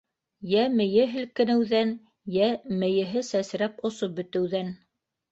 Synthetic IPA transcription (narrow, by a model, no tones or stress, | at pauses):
jæmɘ̆jɘɦɘ̆lkɘ̆nɘ̆wðæn | jæmɘ̆jɘ̆ɦɘsæsɾæpŏsop̚bɵ̆t̪ɘ̆wðæn